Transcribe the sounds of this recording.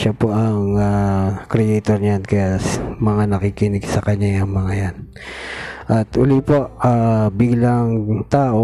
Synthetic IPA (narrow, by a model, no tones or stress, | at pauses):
ʃapoʔɐŋakɾɛʔɛjt̪oɾɲjankɐjasmɐŋanɐkikɪnɪɡsɐkɐɲːajɐŋmɐŋajan | ʔɐt̪ʔʊlipoʔʔabiɡlɐŋt̪aːʔo